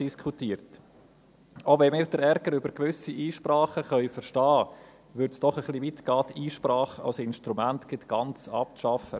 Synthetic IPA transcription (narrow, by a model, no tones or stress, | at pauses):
iskʰutiːɾt | ovɛnmɪːɾd̥əɾɛɾɡəɾʏbəɾkʋʏsiʔiːʃprɑːχəχœʏfəɾʃtɑː | ʋʏɾtsd̥ɔχəχlivit̪ɡ̥ɑːtiːʃpɾɑːχa̰lsɪnʃtɾumæntɡ̥ɪtɡ̥ɑnt͡sɑp̚ʃɑfə̰